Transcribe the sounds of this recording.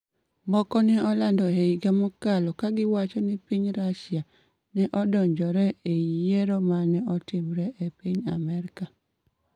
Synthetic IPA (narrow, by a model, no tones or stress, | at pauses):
mɔkɔnɛɔlandɔɦeiɡamɔkalɔkaɡɪwat͡ʃɔnɪpiɲɾaʃja | nɛʔɔdɔɲd͡ʒɔɾɛejeɾomanɛɔtɪmɾɛʔepiɲamɛɾɪka